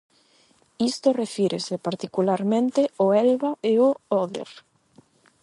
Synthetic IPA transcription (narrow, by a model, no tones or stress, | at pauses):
ist̪orefiɾesepaɾt̪ikulaɾmẽnt̪eoɛlβaeooðḛɾ